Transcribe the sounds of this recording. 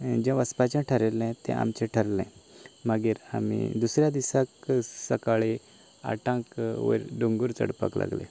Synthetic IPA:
d͡ʑɛ̃ʋəspat͡ɕãʈʰəɾelɛ̃t̪ɛ̰̃ʔa̰mt͡ɕẽʈʰəɾlɛ̃maɡiːɾa̰mḭd̪usɾjad̪isaksəkaɭi | a̰ʈãkʋə̰ɾɖuŋɡuɾt͡sə̰ɽpa̰kla̰ɡlḛ̃

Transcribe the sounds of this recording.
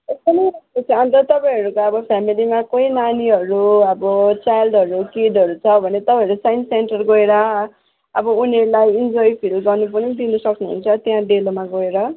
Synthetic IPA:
espʌnʌjʌet͡sʰʌʌ̃nt̪ʌt̪ʌpaĩɦʌɾukaʌbʌpʰjamilimakoinaniɦʌɾuʌbʌt͡sajlɖʌɾukiɖʌɾut͡sʰʌbʱʌnet̪ʌpãĩɦʌɾusajnsenʈʌrɡoeɾʌ | ʌbʌuneɾulajind͡zojpʰilɡʌrnup̬ʌnid̪inʌsʌknuɦṵnt͡sʰʌt̪jãɖelomaɡoeɾʌ

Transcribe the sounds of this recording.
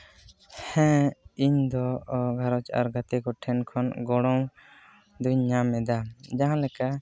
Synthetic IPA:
hɛ̃iɲd̪ɔɡʱaɾɔt͡ʃa̰ɾɡat̪ɛkɔʈʰɛnkʰɔnɡɔɽ̃ɔw | d̪uɲːamɛd̪ad͡ʒaɦãlɛka

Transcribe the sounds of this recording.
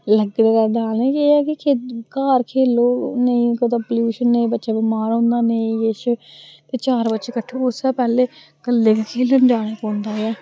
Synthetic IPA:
ləɡd̪aːkəɾɖaːlnẽːkeːɛːkɪkʰeːkaːɾkʰeːloːnəĩːkot̪apəljuːʃənːeĩːbətːʃaːbimaːɾõːnd̪aːneĩjeːʃt̪eːt͡ʃaːɾbətːʃeːkəʈʰːoːʊsaːpɛːleː | kəlːeːkakʰeːloːnd͡ʒaːɽ̃eːkoːnd̪aːɛː

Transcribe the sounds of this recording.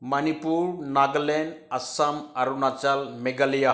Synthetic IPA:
mənipuːɾnaɡlenɐsamaɾunat͡salmeɡalija

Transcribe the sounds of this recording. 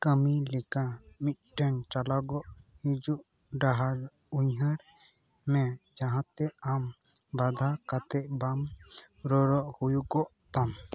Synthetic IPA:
kəmilɛkamit̪̚ˀʈɛnt͡ʃalaɡɔʔhid͡ʒuʔ | ɖaɦaɾ | uɲɦaɾ | mɛd͡ʒaɦãt̪ɛam | bad̪ʱakat̪ɛʔbam | ɾɔɾɔʔhujukɔʔt̪am

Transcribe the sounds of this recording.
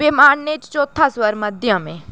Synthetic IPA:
ɪmaːɳneːt͡ʃt͡ʃoːt̪ʰːãːswəɾməd̪ɪjãːmḛ̃ː

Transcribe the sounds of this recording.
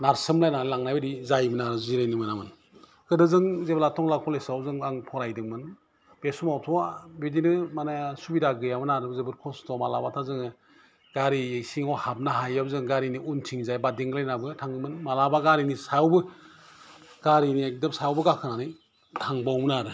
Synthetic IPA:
naɾsɯmlajnaɾɯlaŋnajbɯdizajmɯnaɾɯziɾajnimɯnamɯn | kɯdɯzɯŋzeblatʰɔŋlakʰɔlesawzɯŋaŋpʰɔɾajdɯŋmɯn | b̥esumawtʰɔwabidinɯmanasubidaɡɯjamɯnaɾɯzɯbɯɾkʰɔstʰɔmalabatʰazɯŋɯ | ɡaɾiejsiŋɔhab̚naɦajabzɯŋɡaɾiniuntʰiŋzajbadiŋɡlajnabɯtʰaŋɯmɯnmalabaɡaɾinisawbɯ | ɡ̥aɾiniak̚dɯpsawbɯɡakʰɯnanɯj | tʰaŋbawmɯnaɾɯ

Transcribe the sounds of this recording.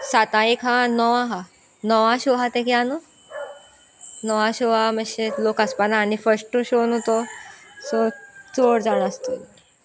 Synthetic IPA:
sat̪ãekɦãnɔʋãɦa | nɔʋãɕoɦat̪ẽkjanu | nɔʋãɕoaməɕelokəspanaːɽifəɾsʈũɕonɦot̪osɔt͡soɽd͡zaɽ̃əst̪o

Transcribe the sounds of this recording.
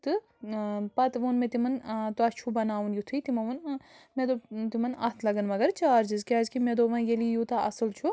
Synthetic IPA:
t̪ɨ | pɐt̪ʋoːnmet̪imɐnt̪uɐt͡ʃʰubɐnaːʋunjut̪ʰuit̪imɐʋɐnmed̪ot̪imɐnɐ̰t̪ʰlɐɡɐnmɐɡɐɾt͡ʃaːɾd͡ʒizkʲaːzkimed̪oʋɐ̃njelijut̪aʔɐ̰sɨlt͡ʃʰu

